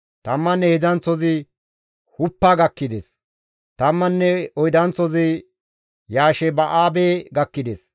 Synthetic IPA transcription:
t̪ɐmːɐnːɛhɪdɐnt͡sːɔzɪ | hʊpːaːɡɐkːɪd̪es | t̪ɐmːɐnːɛɔjd̪ɐnt͡sːɔzɪ | jaːʃɛbɐʔaːbeːɡɐkːɪd̪es

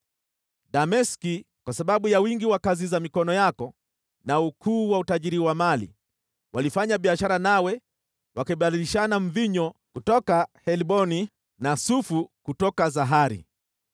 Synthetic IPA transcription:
ɗamɛski | kwasaɓaɓujawiŋɡiwakazizamikɔnɔjakɔ | naukʰuːwautaʄiɾiwamalḭ | walifaɲaɓiaʃaɾanawɛ | wakɛɓadiliʃanaɱ̩viɲɔkutɔkahɛliɓɔni | nasufukutɔkazaɦaɾḭ

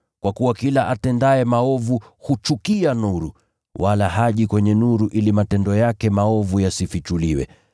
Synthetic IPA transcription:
kwakuwakilaʔatɛndaɛmaɔvuhut͡ʃukianuɾu | walaɦaʄikwɛɲɛnuɾuʔilimatɛndɔjakɛmaɔvujasifit͡ʃuliwɛ̰

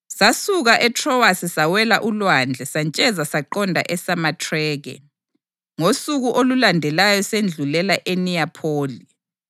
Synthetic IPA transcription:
sasuɣaʔɛtʰrɔwasisawɛlaʔulwand͡ɮʱɛsant͡ʃʼɛzasaǃɔndʱa̰ʔɛsamatʰrɛːɣɛ̰ | ŋosuɣuʔolulandʱɛlajɔsend͡ɮʱulɛlaʔeniapʰoːli

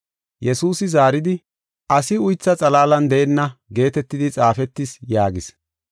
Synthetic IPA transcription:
jɛsuːsɪzaːɾɪd̪ɪ | ʔɐsɪʊjt͡sːɐt͡sʼɐlaːlɐnd̪ɛʔɛnːɐɡe̞ːt̪ɛt̪ːɪd̪ɪt͡sʼaːfɛt̪ːɪsjaːɡɪs

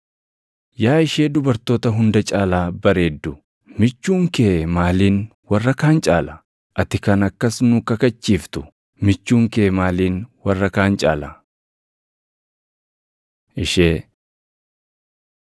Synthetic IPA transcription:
jaːɪʃe̞ːd̪ʊbɐɾt̪o̞ːt̪ɐɦʊnd̪ɐt͡ʃʼaːlaːbɐɾe̞ːd̪ːʊ | mɪt͡ʃːuːŋkeːmaːliːn | wɐrːɐkaːnt͡ʃʼa̰ːlɐ | ʔɐt̪ɪkɐnɐkːɐsnʊkɐkɐt͡ʃʼːiːft̪ʊ | mɪt͡ʃːuːŋkeːmaːliːnwɐrːɐkaːnt͡ʃʼa̰ːlɐ | ʔɪʃeː

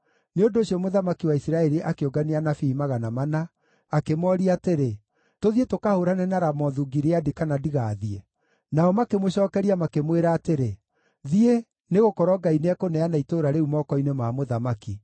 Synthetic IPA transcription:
neondoːɕiɔmoðamakiwaisiɾaɛɾiʔakeoɡaneanafiːmaɣanamanaː | kemɔɾiateɾe | toðietokahoɾanɛnaɾamɔðuɡiɾeadikanadiɣaːðie | naɔmakemoɕɔːkɛɾiamakemweɾaːteɾe | ðie | neɣokɔɾɔɡaineɛkonɛanaitoɾaɾeumɔkɔinemaːmoðamaki

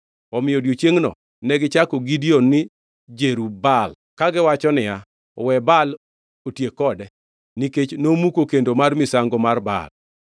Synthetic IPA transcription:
ɔmɪjodjot͡ʃjeŋnɔ̰ | nɛɡɪt͡ʃakoɡidionːɪ | d͡ʒeɾubal | kaɡɪwat͡ʃɔnɪja | ɔwɛbal | otjekɔdɛ | niket͡ʃnomukokendomarmɪsaŋɡomarba̰l

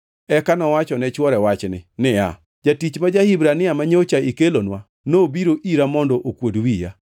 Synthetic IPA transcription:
ɛkanɔwat͡ʃɔnɛt͡ʃwɔɾɛwat͡ʃnɪ̰nɪa̰ | d͡ʒatit͡ʃmad͡ʒahibɾanɪamaɲot͡ʃaikelonwa | nobiɾoʔiɾamɔndɔʔokwodwija̰

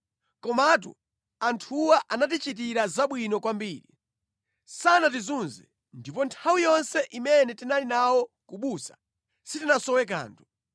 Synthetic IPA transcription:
kɔmat̬ṵ | antʰuwaʔanat̬it͡ʃit̬iɾazaɓwinɔkwambiːɾḭ | sanat̬izunzɛ̰ | ndipɔntʰawijɔnsɛʔimɛnɛtinalinawɔkuɓusḁ | sitinasɔwɛk̬a̰ːntʰu̥

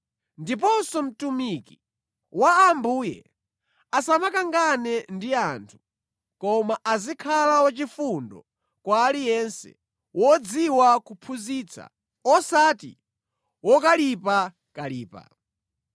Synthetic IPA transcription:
ndip̬ɔnsɔm̩tumiki | waːmbuːjɛ̰ | asamakaŋɡanɛndiantʰu̥ | kɔmaʔazikʰalawat͡ʃifundɔ | kwaːlijɛnsɛ̰ | wʔɔd͡ziwakupʰuzit͡sʰa̰ | ɔsatḭ | wɔkalipa | kaliːpa̰

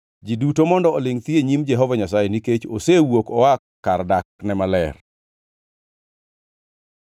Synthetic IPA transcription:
d͡ʒidutomɔndɔolɪŋt̪jeɲimd͡ʒɛɦɔvaɲas̬ajɛniket͡ʃosewokɔwakːardaknɛmalɛr

